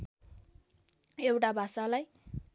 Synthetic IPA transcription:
ewʈabʱasalaj

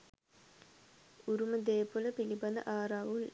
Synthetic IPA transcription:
uɾumɐd̪eːpːolɐpilibɐnɐ̰ʔaːɾaːʋul

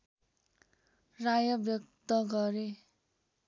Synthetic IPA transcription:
rajʌbjʌkt̪ʌɡʌɾe

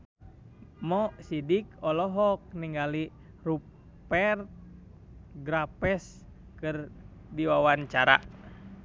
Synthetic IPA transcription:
mɔsidikɔlɔɦɔk̚niŋɡali | ru | pɛrt̪̚ | ɡɾapɛs | kɨr | diwawaɲt͡ʃaɾa̰

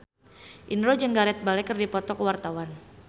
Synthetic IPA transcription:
ʔinɾod͡ʒəŋɡaɾɛt̪̚balɛkərdipɔt̪ɔkəwart̪awan

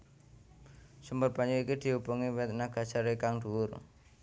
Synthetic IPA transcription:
sumbərpaɲd͡ʒuikid̪̥i̤ɦupuŋiwɛt̪̚naɡ̥a̤d̥ʒ̥a̤ɾekaŋɖ̪uʊr

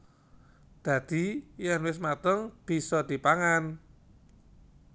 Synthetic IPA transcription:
d̪̥ä̤d̪̥i̤janwɪs̬mat̪əŋb̥i̤sɔd̪̥i̤paŋan

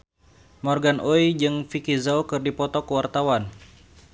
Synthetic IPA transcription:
mɔrɡanʔoid͡ʒɨŋfikizaukɨrdipɔt̪ɔkuwart̪awan

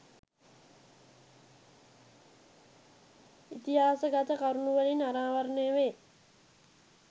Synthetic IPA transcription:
it̪iɦaːsəɡat̪əkaɾunuʋəlinaɾaːʋəɾneəʋeː

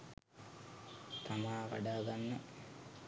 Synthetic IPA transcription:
t̪amaːʋa̰ɖaːɡanːə

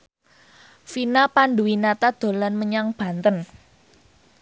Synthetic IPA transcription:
finapanɖuwinat̪ad̪̥o̤lanməɲaŋb̥ä̤nt̪ən

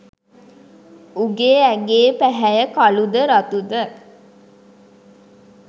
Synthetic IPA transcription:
uɡeːæɡeːpæɦæjəkalud̪əɾat̪ud̪ə

